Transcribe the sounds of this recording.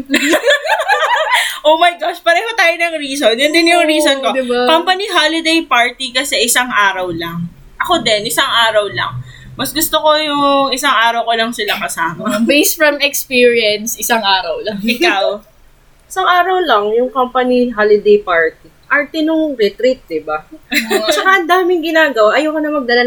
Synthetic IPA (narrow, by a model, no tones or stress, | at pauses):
ʔowmɐjɡaʃpɐɾɛːhot̪aːjonɐŋɾiːsonjʊnd̪ɪnjʊŋɾiːsonkod̪kampɐniɦalɪd̪ejpaɹt̪ikɐsɛʔɪsaŋʔaːɾɐwlɐŋ | ʔɐko̞d̪ɛnʔɪsaŋʔaːɾɐwlɐ̰ŋ | mɐsɡʊst̪oko̞jʊŋʔɪsaŋʔaːɾɐwkolɐŋsɪlakɐsaːmɐbejst̪fɹɐmɛkspiːɹjɐnsʔɪsaŋʔaːɾɐwlɐŋɪkaw | ʔɪsaŋʔaːɾɐwlɐŋjʊŋkampɐniɦalɪd̪ejpaɹt̪i | ʔɐɹt̪ɪnʊŋɾɛt̪ɾit̪̚d̪ɪba | t͡ʃɐkɐʔɐnd̪aːmɪŋɡɪnaːɡɐwaʔɐjoːkɐnɐmɐɡ̚d̪ɐlɐ